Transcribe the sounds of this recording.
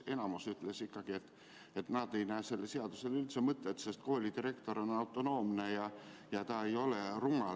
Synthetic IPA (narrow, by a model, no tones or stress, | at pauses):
e̞nɑmusyt̪ːˑlesikːɑɡ̥iet̪ː | et̪nɑd̪̥e̞jnæːse̞lːese̞ɑd̪̥use̞lylt̪semɤt̪ːet̪ːse̞st̪̚ko̞ːlʲid̪iɾe̞kt̪o̞ɾo̞nɑwt̪ːˑo̞no̞ːmne̞jɑjɑt̪ɑejo̞leruŋːɑ